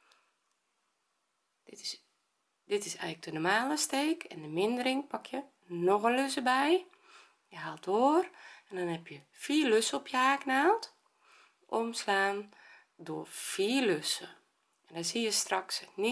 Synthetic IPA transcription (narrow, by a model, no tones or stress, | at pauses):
dɪtɪsɛ̰jɣləɡ̚dənomaːləsteːkʰɛndəmɪndəɾɪŋpakʰjə | noxəløsəbɛj | jəɦaːlˠtoərɛndɔnhɛpʰjə | fiːløsəɔpʰjəaːknaːlˠt | ʔomslaːn | doəfiːløsə | ɛndɔsijəstraksni